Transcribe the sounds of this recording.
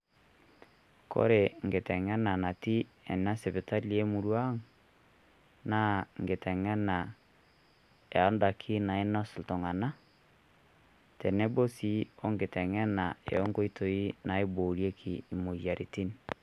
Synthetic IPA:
ko̰˦ɾe˨ŋ˨ɡe˨tɛ˨ŋɛ˦na˨na˨ti˦ | ḛ˨na˦se˨bi˨ta˦li˨e˦mu˨ɾwa˦ŋ | na˦ŋɡe˨tɛ˨ŋɛ˦na˨ | e˨a˦nda˨kʰi˦na˨i˦na˦su˨lto˨ŋa˨na˦ | tɛ˨ne˦bo˦si˦o˦ŋɡe˨tɛ˨ŋɛ˦na˨ḛ˨o˦ŋɡo˦i˦to˨i˦na˨˦i˦bo˨ɾje˦kʰiː˨mo˨ja˨ɾʔi˨ti˦n

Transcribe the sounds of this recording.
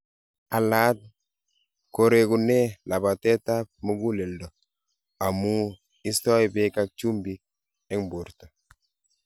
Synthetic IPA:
a˨la˦t̚ | ko˨ɾe˨ku˨ne˦la˨ba˨tɛ˦ta˦p̚mu˦ɡu˦le˨ldɔ˨ | a˨mu˦ | i˦stɔ˦jbe˦ka˦k̚t͡ʃu˦mbi˦k̚ | ɛ˦ŋbu˨ɾtɔ˨

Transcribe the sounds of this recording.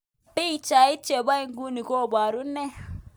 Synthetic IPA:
pi˦˨t͡ʃa˨i˦t͡ʃe˨ɓa˦i˦ŋɡu˦ni˨ko˦˨ɓa˨ɾu˦ne˦

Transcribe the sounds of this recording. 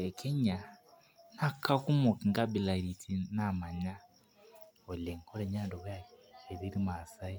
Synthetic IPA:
ɛ˨kʰɛ˦ɲa˨ | na˦kʰːa˦ku˦mɔ˨ki˨ŋɡa˦bi˨la˨ɾi˨tʰi˦na˦˨ma˨ɲa˦ | ɔ˨lɛ˨ŋ˨kʰɔ˦ɾɛ˨ɲa˦˨ndɔ˨βja˦ɛ˨ði˦ɾi˦ma˨sa˦i˦

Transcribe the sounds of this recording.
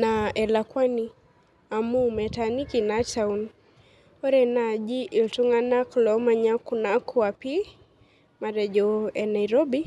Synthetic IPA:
naɛ˨lakwa˦ni | a˨mu˦mɛ˨tani˦ki˨nat͡ʃaun | ɔ˦ɾɛna˨d͡ʒi˦ʔi˨ltu˦ŋa˦na˦klɔma˨ɲa˦ku˨na˨kʰu˦a˨pi˦ | ma˨ɾɛd͡ʒɔɛ˨na˨iɾɔ˦bi˦

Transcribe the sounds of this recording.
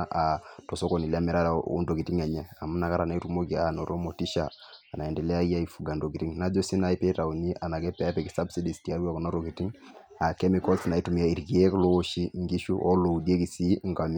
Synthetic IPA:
ʔa˨tɔ˨so˦ko˨ni˨la˦mɛ˨ɾa˦lṵ˦ndo˨ki˨ti˦ŋa˨ɲɛ˦a˨mu˦na˨ka˦ɾa˨na˦tu˦mo˦ki˨a˨nɔ˨ɾo˦mo˨ti˦ʃaː˨na˨ɛ˨ndɛ˨lɛ˦a˦i˦ja˦i˨fu˨ɡa˨ndo˨ki˨ti˦ŋna˦d͡ʒɔ˦si˦na˨˦i˦pɛ˦ta˨u˨ni˦ʔa˨na˨kɛ˦pɛ˨a˦pɛ˨ki˦sa˦bsi˦di˨stia˨˦ɾu˦a˨kɔ˨na˦ɾo˨ki˨ti˦ŋ | a˨kɛ˦mikɔ˦lsna˨i˦tu˨mi˨a˦i˨ɾɡi˨e˦klo˦o˦ʃi˦ŋɡi˦ʃu˦ʔɔ˦lo˨u˨di˦e˦ki˨si˦ŋɡa˨m

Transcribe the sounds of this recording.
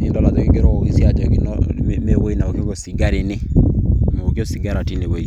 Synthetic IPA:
i˦ndɔ˦la˨to˦kiɡe˦ɾɔ˦˨i˦si˦a˨d͡ʒɔ˨ki˨nɔ̰mme˦wo˦i˦na˨o˨ko˦ko˨si˨ɡa˦ɾe˨ne˦mo˨kjo˦si˨ɡa˦ɾa˨ti˦ne˨we˦i˦

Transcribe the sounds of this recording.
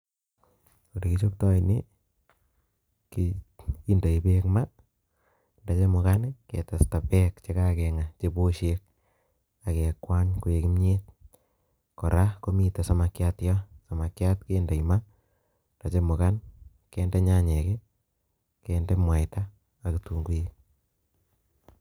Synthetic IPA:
o˨di˨ki˦t͡ʃo˦k̚tɔ˦i˨nɪ | kii˦nda˨i˨pe˦kma˦ | nda˨t͡ʃe˦mʊ˨ka˦nkɛ̰˨ta˨sta˨pɛ˦kt͡ʃe˦ka˦kɛ˨ŋa˨t͡ʃe˦bo˦ʃek̚ | a˨kɛ˨kwa˦ɲku˨e˨ki˦mɲe˦t̚ | kɔ˨ɾa˦ko˦mi˨ta˨sɔ˦ma˨kjatja˦sa˨ma˨kja˦tkeː˦nda˨ima˦ | nda˨t͡ʃe˦mʊ˨ka˦n | kɛː˦nde˦ɲa˦ɲe˨kɛ˦ | kɛndɛ˦mwa˨jtaː˦˨ | kitu˨ŋɡu˦je˦

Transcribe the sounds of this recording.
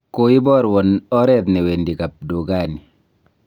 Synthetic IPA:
koi˦bɔ˦ɾwɔ˨nɔ˦ɾɛt̪nɛ˨we˨ndi˨ka˨p̚do˨ɡa˦˨ni˨

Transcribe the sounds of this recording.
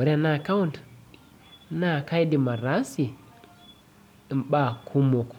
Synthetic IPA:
wa˨ɾi˦a˨na˨ka˦wu˦nt | na˦˨ka˦jdi˨ma˨ɾa˦si˨ | mɓa˨kʰu˦mo˨k

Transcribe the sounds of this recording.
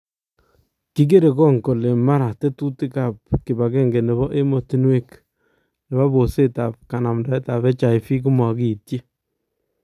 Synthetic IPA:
ki˦ɡ̬e˦ɾe˨kɔ˦ŋko˨le˨ma˦ɾa˨te˦tu˦ti˦ka˨p̚kɪ˨ba˨ɡɛ˦ŋɡe˨nɛ˨βɔ˦ʔe˦mo˨ti˨˦nwe˦k | nɛ˨βa˦bo˨se˦ta˨p̚ka˨na˨mda˨˦ɛ˦ta˨βɛ˦t͡ʃa˨ɪ˨fi˦k̬u˦ma˨ki˨tje˦

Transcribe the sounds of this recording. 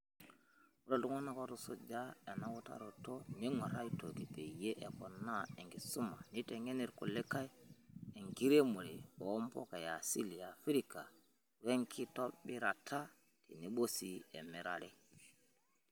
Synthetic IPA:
wu˨ɾo˦du˦ŋo˦na˦ko˦tu˨so˨d͡ʒa˦e˨na˨wu˦ta̰˦ɾo˨to˦ni˦ŋa˨ɾa˦ito˨ki˨pe˨je˦ʔe˨ko˨nːa˦e˨ŋɡi˨su˦ma̰˨ni˦te˨ŋe˦ni˦˨ɾkṵ˨le˦ka˦je˨ŋɡi˦ɾe˦mu˨ɾḭ˨o˨˦mpo̰˦ka˨ja˨sḭ˦li˨ja˨fi˦ɾi˦ka˨ | we˦ŋkʰi˦to˦bi˦ɾa˨tʰa˦ | tḭ˨ni˦ɓo˦si˨˦ḛ˨mi˨ɾa̰˨ɾi˦

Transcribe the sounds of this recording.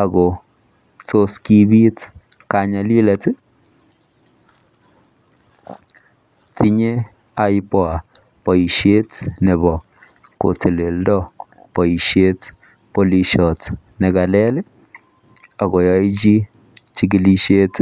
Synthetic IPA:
a˨ɡɔ˨ | to˦ski˦bi˦tkaɲa˦li˦lat | ti˦ɲe˦ | ajpɔ˦a˨ | pɔ˨i˨ʃe˦tnɛ˨bɔ˨ | ko̰˨te˨le˨ldɔ˦ | pɔ˨i˨ʃje˦t | po˨li˨ʃɔtnɛ˨ɡa˨lɛ˦lɛ˦ | a˨ɣɔ˨ja˦jt͡ʃi˦ | t͡ʃi˦ɡi˦li˦ʃe˦t

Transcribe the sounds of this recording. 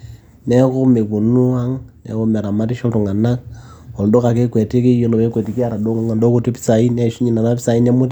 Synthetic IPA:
nɛ˦ko˦me˨ku˨nu˦a˦ŋnɛ̰˨˦ko˦me˨ɾa˨ma˦ti˦ʃo˦tu˨ŋa˨na˦k̚o˨ldo˦ka˨ke˦kwe˨te˦ke˦jo˦lo˨βe˦kwe˨ti˨˦ki˦a˦ɾa˨do˦ŋo˦ŋa˨ndo˦ku˦˨te˦pi̥˦sa˨i˦ne˦ʃu˦ɲi˦˨na˨na˦pi˦sa˨i˦ne˦mo˦t

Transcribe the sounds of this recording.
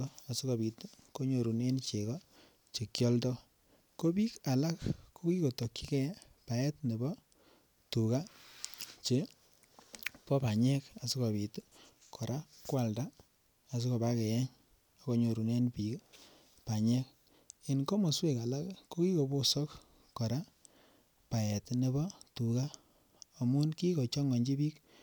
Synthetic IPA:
ɔ˦a˨si˦ko˨pi˨tko˦ɲo˨ɾu˨ne˦nt͡ʃe˨kɔ˦ | t͡ʃe˨kjɔ˦ltɔ˦ | ko˦pi˦ka˨la˦kko˦ki˦ko˨to˨kːi˦kɛ˦ | pa˨ɛ˦tne˨bɔ˦ | tu˨ka˦ | t͡ʃe˨ | pɔ˦pa˨ɲɛ˦ka˨si˦ko˨pi˨t | kʰɔ˨ɾa˦kwa˨ldaː˦˨ | s̬i˦ko˨ba˦kɛ˨jɛ˦ɲ | a˦ko˦ɲo˨ɾu˨ne˦npi˨k | pa˨ɲɛ˦k | i˨nkɔ˦mo˨swe˨ka˨la˦kko˦ki˦ko˨bo˦sɔ˦k | kɔ˨ɾa˦ | pa˨jɛ˨tne˦bɔ˦tu˨ka˦ | o˨mu˦nki˦ko˨t͡ʃɔ˦ŋɔ˨ɲd͡ʒi˦bi˦k

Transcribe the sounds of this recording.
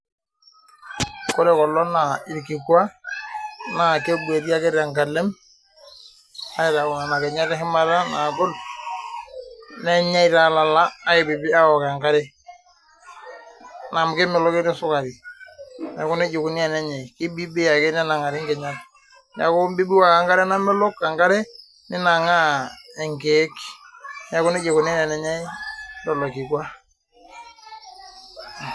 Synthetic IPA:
kɔ˦ɾɛ˨kɔ˨lːɔ˦na˨ɪ˨ɾki˨kwa˦ | na˨ke˦bu˨e˨ti˦a˦kɛ˦ɾa˨ŋɡa˨lɛ˦m | a˦ɪ˨ɾa˨kʊ˨na˨na˨kɛ˨ɲa˦tɛ˦ɦɪ˦ma˦ɾa˦na˨ɡʊ˦l | nɛ˦ɲa˦i˦ta˨la˨laː˦ɪ˨bɪ˨bɪ˦a˦ɔ˨ka˨ŋka˦ɾɛ˦ | na˨mkɪ˦mɛ˨lɔ˦kɪ˦nɪ˦sʊ˦ka˨ɾi˨ | na˨kʊ˦nɛ˦d͡ʒɪ˨ku˨ni˦a˨nɛ˦ɲa˨i˨kɪ˦bi˦bi˦ja˨kɛ˦nɛ˦na˨ŋa˨ɾɪ˦ŋɡɛ˨ɲa˦t | na̰˨kʊ˦bi˦bi˦wa˨ka˨ŋɡa˦ɾɛ˦na˦mɛ˦lɔ˦kːa˨ŋɡa˦ɾɛ˦ | nɪ˦na˨ŋa˦ɛ˨ŋɡɛ˨˦kna˨kʊ˦nɪ˦d͡ʒɪ˨kʊ˨ni˦nɛ˨nɛ˨ɲa˦i˦dɔ˨lɔ˨ki˨kwa˦

